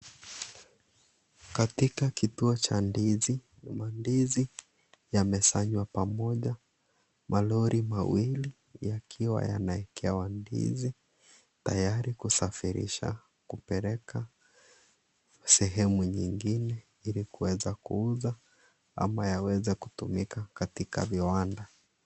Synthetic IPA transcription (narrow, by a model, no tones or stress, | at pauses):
katikakituɔt͡ʃanizi | mandizi | jamɛsaɲwapamɔʄa | mʔalɔɾʔimawili | jakʰiwa̰ja̰naɛkʰɛwandḭzi | ta̰jaɾikusafiɾḭʃa̰ | kupɛɾɛka | sɛɦɛmuɲiŋɡinɛ | ilikuwɛzakuuza | a̰majawɛzɛkutumikakatika̰viwanda